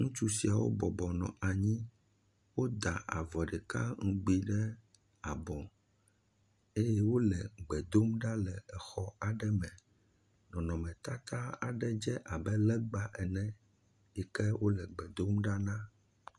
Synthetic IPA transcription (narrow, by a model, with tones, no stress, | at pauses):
ŋũ˦t͡ʃu˦si˨a˨wo̰˦bɔ˨bɔ˨nɔ̰̃˨ʔa˨ɲĩ˦ | wo˦d̪a˨ʔa̰˨vɔ˨ɖɛ˨ka̰˦ŋũ˦ɡ͡bi˦ɖɛ˦ | a˨bɔ̃˨ | e˦jɛ˦wo˦lɛ˨ɡ͡bɛ˨d̪o˦mɖa˦lɛ˨ɛ˨xɔ˦a˨ɖɛ˦mɛ̃˨ | nɔ̃˨nɔ̃˨mɛ̃˨t̪a˦t̪a˦a̰˨ɖɛ˦d͡ʒɛ˦ʔa˨bɛ˦lɛ˦ɡ͡ba˨ʔɛ˨nɛ̃˨ | ɛ˨kɛ˦wo˦lɛ˨ɡ͡bɛ˨d̪o˦mɖa˦nã˦